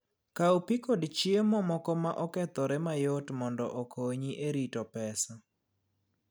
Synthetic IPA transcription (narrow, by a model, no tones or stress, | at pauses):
kaupikodt͡ʃiemɔmɔkɔmaʔɔkɛt̪ɔɾɛmajotmɔndɔ̰ʔokoɲiʔeɾitɔpɛsa